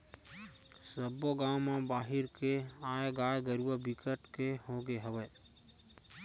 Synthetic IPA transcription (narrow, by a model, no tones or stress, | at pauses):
səboɡaːmãbaːɦɪɾkeaːjeɡaːjɡəɾuwəbɪkəʈkehõːɡeɦəʋə